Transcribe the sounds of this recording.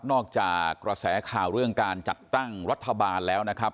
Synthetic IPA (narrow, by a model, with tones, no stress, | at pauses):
nɔː˥˩k̚t͡ɕaː˨˩kːɾa˧sɛː˩˦kʰaː˨˩wɾɯ˥˩əŋkaː˧nt͡ɕa˨˩t̪ːa˥˩ŋɾa˦˥t̪ʰːa˧baː˧nlɛː˦˥wna˦˥kʰɾa˦˥p̚